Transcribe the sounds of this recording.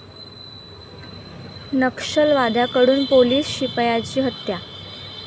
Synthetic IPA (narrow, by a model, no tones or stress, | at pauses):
nəkʂəlʋad̪ʱjakəɽuːnpoliːsɕipjat͡ɕiːɦət̪ja